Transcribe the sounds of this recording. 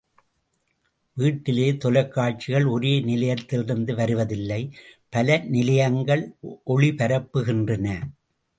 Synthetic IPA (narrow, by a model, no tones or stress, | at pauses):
ʋiːʈːɪleːt̪ɔlɐkːaːʈ̚t͡ʃɪɣɐɭɔɾeːnɪlɐjɐt̪ːɪlɪɾɯnd̪ɯʋɐɾɯʋɐðɪlːɐɪpɐlɐnɪlɐjɐŋɡɐɭʔɔɭipɐɾɐpːɯɣɪndrɐnɐ